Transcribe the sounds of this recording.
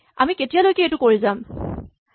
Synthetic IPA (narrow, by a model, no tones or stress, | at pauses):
a̰miketijalojkɛɛtʊkoɹizam